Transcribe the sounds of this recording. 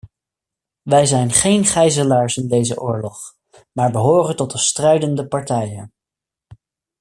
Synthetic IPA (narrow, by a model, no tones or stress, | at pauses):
ʋɛjzɛjnχejnχɛjzəlaːɹsɪndejzə̰ʔʊːɹlɔχ | maːɹbəɦoːrəntɔt̚dəstrɛɥdəndəpɑɹtɛjən